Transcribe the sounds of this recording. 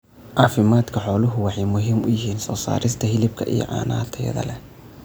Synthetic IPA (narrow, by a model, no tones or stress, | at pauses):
ʕɑːfɪmaːd̪kʰɐħɔːlʊɦʊwɑħɑjmʊɦiːmʊjɪɦiːnsɔːsa̰ːɾɪst̪ʰɐɦɪlɪb̚kʰɐʔḭj̰ʕɑ̰ːnaːt̪ʰɐjɐ̰ðɐ̰lɛ